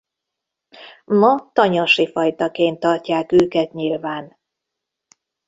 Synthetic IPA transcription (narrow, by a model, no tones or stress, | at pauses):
mɒt̪ɒɲɒʃifɒjt̪ɒkeːnt̪ːɒrcaːkøːkɛt̪ɲilvaːn